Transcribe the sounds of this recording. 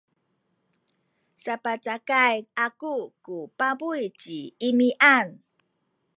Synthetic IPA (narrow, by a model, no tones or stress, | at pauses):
sapat͡sakajakukupabujt͡ɕiːmiʔan